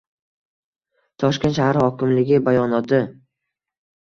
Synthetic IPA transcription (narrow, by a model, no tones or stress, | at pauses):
t̪ʰɒʃkʲenʃahaɾhɒkʲʰɪmlɪɡʲɪbajɒnɒt̪ʰɪ